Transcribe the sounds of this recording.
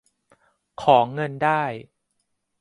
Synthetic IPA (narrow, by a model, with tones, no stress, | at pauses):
kʰɔː˩˦ŋɤ˧ndaː˥˩j